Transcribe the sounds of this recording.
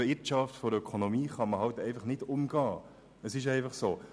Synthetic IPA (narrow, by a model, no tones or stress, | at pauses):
ɪtʃɑftfɔɾəœkʰonomiːχɑməɦɑltɛɪfɑχnɪdʊmɡɑː | əsɪʃ̬ɛɪfɑχsoː